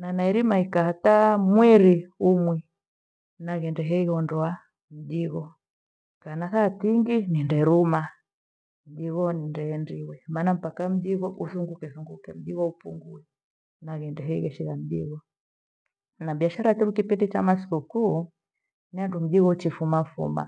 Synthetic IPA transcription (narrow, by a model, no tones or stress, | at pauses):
nanaiɾimaikaatamwɛɾiumwɛ | naɣɛndɛɦɛiɣɔndɔa | m̩ʄiɣɔ | kanakatiŋɡinindɛɾuma | m̩ʄiɣɔnindɛːndiwɛmaːnam̩pakam̩ʄiɣɔʔuθuŋɡukɛθuŋɡukɛm̩ʄiɣɔupuŋɡuɛ | naɣɛndɛɦɛiɣɛʃiɣam̩ʄiɣɔ | nabiaʃaɾat͡ʃɛɾukipindit͡ʃamasi̥kukuː | niandum̩ʄiɣɔt͡ʃifumafṵma̰